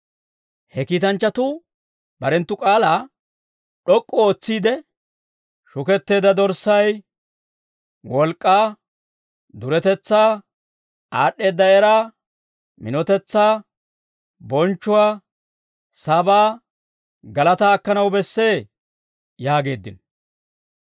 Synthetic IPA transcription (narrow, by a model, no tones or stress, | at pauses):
hɛkiːt̪ɐnt͡ʃːɐt̪ʊ | b̥ɐɾɛnt̪ːʊkʼaːlaː | ɗɔkʼːɔoːt͡sːiːd̪ɛ | ʃʊkɛt̪ːe̞ːd̪ɐd̪ɔɾsɐj | wɔlkʼːaː | d̪ʊɾɛt̪ɛt͡sːaː | aːɗːe̞ːd̪ːɐɛɾaː | mɪ̰nɔt̪ɛt͡sːaː | bɔnt͡ʃːʊwaː | sɐbaː | ɡɐlɐt̪aːkːɐnɐwbɛsːe̞ː | jaːɡe̞ːd̪ːɪ̰n